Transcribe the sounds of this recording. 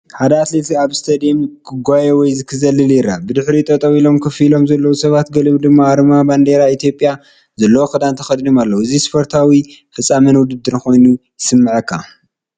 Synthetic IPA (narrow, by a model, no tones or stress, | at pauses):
ħad̪ɐat̪let̪ʰiaβst̪ʰɐd̪imkʰɨɡʷajewɔjzɨkʰɨzɐlɨljɪɾa̰bɨd̪ɨħɾit̪ʼɐt̪ʼɐwilo̞mkʰɐfilo̞mzɐlːɐwusɐβat̪ɡɐlɨβd̪ɨmːaːɾɨmaband̪eɾait̪ʰijo̞pʼːja | zɐlːɐwoxɨd̪ant̪ʰɐxɐd̪d̪omalːɐwɨzispʰoɾt̪ʰawifɐt͡sʼːamɐnwʊd̪ɨd̪ːɨɾko̞jnujɪsɨmːɨʕɐkʰːa̰